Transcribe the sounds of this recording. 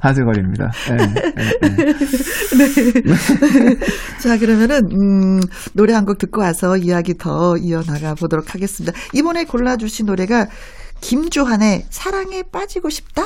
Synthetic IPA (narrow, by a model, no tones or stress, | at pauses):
tas̬ʰeɡʌɾimɲida̰e | ne | t͡ɕak̬ɯɾʌmjʌnɯnɯnoɾe̞ɦanɡuk̚tɯk̚k͈ʌwasʰʌijaɡitʌiʌnaɡabodoɾokʰaɡe̞s͈ɯmɲidaibʌne̞koɭːad͡ʑuɕʰinːoɾe̞ɡa | kimd͡ʑuɦane̞sʰaɾaŋe̞p͈ad͡ʑiɡoɕʰi̥p̚t͈a